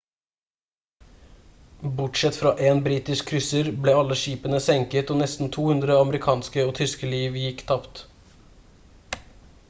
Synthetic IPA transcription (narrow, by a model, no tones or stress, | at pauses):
bʊʈʂɛt̪fɾɑːʔeːnbɾiːt̪ɪskʰːɾʏsəɾbleːɑlːəʃiːpənəsɛŋkət̪oːnɛst̪n̩t̪ʰuːhʉnd̪ɾəɑməɾɪkʰɑːnskəoːt̪ʰʏskəliːʋjɪkːt̪ʰɑpt̪